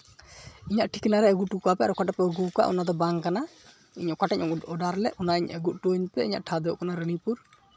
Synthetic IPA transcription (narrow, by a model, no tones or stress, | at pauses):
iɲaʔʈʰikinaɾɛəɡuʈukapɛaɾɔkaʈapɛəɡuka̰ʔṵnad̪ɔbaŋkana | iɲɔkaʈaɲɔɔɖaɾlɛʔʔɔnaiɲəɡuʔ̚ʈoɲpɛḭɲa̰ʔʈʰad̪ɛɔʔkanaɾənipuɾ